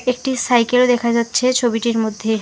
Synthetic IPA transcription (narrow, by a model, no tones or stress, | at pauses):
ek̚ʈisajkelod̪ekʰad͡ʑatːɕʰet͡ɕʰobiʈiɾmod̪ʱːe